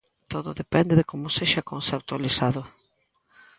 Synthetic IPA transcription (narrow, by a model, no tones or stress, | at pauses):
t̪oðʊðepɛnd̪ɪðekomʊseʃakõnsep̚t̪walisaðʊ